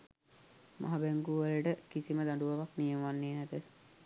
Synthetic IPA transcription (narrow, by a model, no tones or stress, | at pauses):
mʔa̰ɦabæŋɡuʋələʈəkisiməd̪aɳɖuʋɐʋaknijəmʋanːeːnæd̪ə